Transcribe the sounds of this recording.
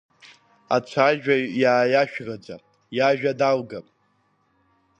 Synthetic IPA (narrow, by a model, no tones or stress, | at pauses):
a̰t͡ɕʷʰaʒᶣajaːjaʃᶣrad͡zʷa | jaʒᶣadalɡapʼ